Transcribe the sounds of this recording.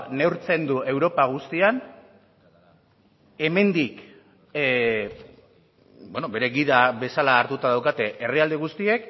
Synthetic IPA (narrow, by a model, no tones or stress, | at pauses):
ne̞wɾt͡se̞nd̪ue̞wɾo̞paɣ̞ust̪ian | e̞me̞nd̪ik | bono̞be̞ɾe̞ɣiðaβe̞salaːɾt̪ut̪aðawkat̪e̞ʔːriald̪e̞ɣust̪ie̞k